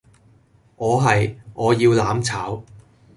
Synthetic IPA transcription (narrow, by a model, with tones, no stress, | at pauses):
ʔɔː˨˧ɦɐ˨jʔɔː˨˧jiː˧wlaː˨˥mt͡sʰaː˨˥w